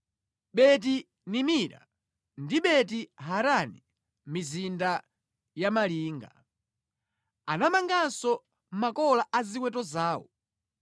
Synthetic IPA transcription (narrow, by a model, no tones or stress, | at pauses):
ɓɛt̬i | nimiɾa̰ | ndiɓɛt̬iɦaɾani | mizinda | jamaliːŋɡa | anamaŋɡasɔ | makɔlaʔaziwɛtɔzaːwɔ̰